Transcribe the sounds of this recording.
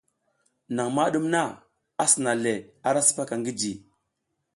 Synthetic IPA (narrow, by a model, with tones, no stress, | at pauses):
na˨ŋma˦ɗu˦mna˦ | a˦si˨na˨le˨a˦ɾa˦su̥˦pa˦ka˨ŋɡi˦d͡ʒi˨